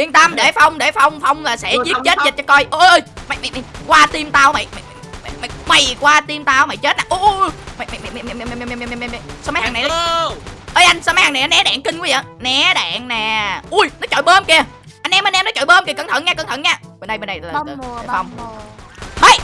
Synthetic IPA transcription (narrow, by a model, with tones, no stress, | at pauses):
ʔi˧ənt̪a˧mɗe˧˩fa˧wŋ͡mɗe˧˩fa˧wŋ͡mfa˧wŋ͡mlaː˨˩sɛ̰˧˥zi˦˥tt͡ɕe˦˥t̚zə˨˩t͡ɕɔ˧kɔ˧jʔə˧ʔə˧jma˨˩jma˨˩m˨˩kwaː˧t̪i˧mt̪aː˧wma̰˨jma̰˨jm˨ma˨ma˨ma˨˩jkwaː˧t̪i˧mt̪aː˧wma̰˧˨jt͡ɕe˦˥t̚naː˨˩ʔu˧ma˨˩jma˨jm˨˩m˨m˨m˧m˧˩m˧m˧m˧˩jm˨˩jsma˨˦jhaː˨˩ŋna˨˩ʔ | ʔəː˧˦jʔa˧jŋsaː˧ma˦jha˨˩n˨˩ʔaː˧˨˦nɛ˨˦ɗa̰ː˧˨ŋkï˧ŋ̟kwvḭ˨˩nɛ˨˦ɗa̰ː˧˨ŋnɛ˨˩ʔu˧jnɔ˨˦t͡ɕɔo̰˧˨jɓəː˧mki˧ə | ʔa˧nʔɛ˧mʔə˧nʔɛ˧mnɔ˨˦t͡ɕɔo̰˧˨jɓəː˧mki˧˩kə˧˩ŋt̪ʰə̰˧˨nŋɲaː˧kə˧˩ŋt̪ʰə˧˨nɲaː˧˩ɓe˨˩nɗə˨jɓnɗa˨jːe˧˩fa˧wŋ͡m | hə˨˧˩j